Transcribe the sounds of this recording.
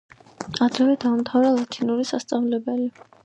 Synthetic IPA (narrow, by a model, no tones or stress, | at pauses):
ad̪ɾɛvɛd̪amt̪ʰavɾalˠat̪ʰinuɾisast̪sʼavlɛbɛli